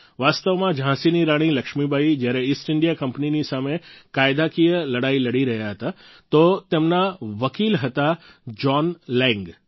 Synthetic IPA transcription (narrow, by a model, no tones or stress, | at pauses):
ʋast̪əʋmãd͡ʒʱãsiniɾaɽ̃iləkʃmibʱaid͡ʒjaɾeisʈɪɳɖijakəmpninisamekajd̪akijələɽailəɽiɾəɦjaɦət̪a | t̪ot̪emnaʋəkilɦət̪ad͡ʒɔnlɛ̃ŋɡ